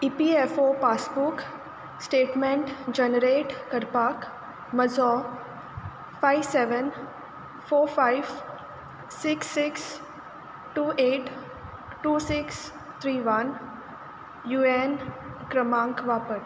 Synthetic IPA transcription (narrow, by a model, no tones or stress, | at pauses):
ipiefopaːsbuk | sʈeːʈmẽɳʈd͡ʒənəɾeːʈkəɾpaːk | məzɔː | fʰaɪʋseːʋən | fʰoːɾfʰaɪʋ | sɪksːɪks | ʈuːeːʈ | ʈuːsɪks | t̪ʰɾiːʋɐn | juːenkɾəmãːŋkʋaːpəʈ